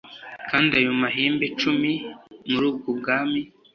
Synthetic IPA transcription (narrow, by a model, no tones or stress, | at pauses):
kaːndiajomaɦiːmbe̞t͡ʃumimuɾuːb̚ɡob̚ɡaːmi